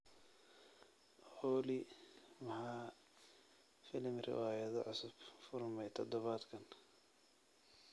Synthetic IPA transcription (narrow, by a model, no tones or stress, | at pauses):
ɔːlimɐħɑː | fɪlɪmrɪ̰waːjɐðɔ̰ʕʊsʊb̥fʊrmɛjt̪ʰɔd̪ɔβaːd̪kʰɐn